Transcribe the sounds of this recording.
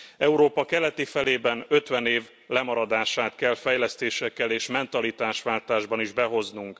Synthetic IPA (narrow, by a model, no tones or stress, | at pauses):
ɛuɾoːpɒkɛlɛt̪ifɛleːbɛnø̞t̪ʋɛneːv | lɛmɒɾɒd̪aːʃaːt̪kɛlfɛjlɛst̪eːʃɛkːɛleːʃmɛnt̪ɒlit̪aːʃʋaːlt̪aːʒbɒniʒbɛɦo̞znuŋk